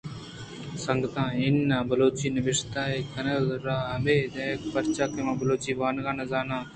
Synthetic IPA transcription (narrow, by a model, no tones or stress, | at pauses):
səŋɡət̪ãːɪnːãːbəloːt͡ʃiːnəʋɪʂt̪aːeːkənəlɾaːɦəmeːd̪ẽkpəɾt͡ʃaːkemãːbəloːt͡ʃiːʋaːnɡaːnãːzaːnãː